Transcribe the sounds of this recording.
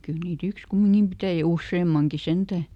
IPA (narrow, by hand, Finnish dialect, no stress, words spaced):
kyl niːt yks kumːiŋkim pitæjæ jɑ usːeːmːɑŋki sentæˑ